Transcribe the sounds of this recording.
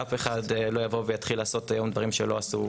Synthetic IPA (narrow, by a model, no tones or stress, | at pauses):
afe̞χadlo̞javo̞vejat̪χilaːso̞t̪ajo̞md̪vaʁimʃelo̞asu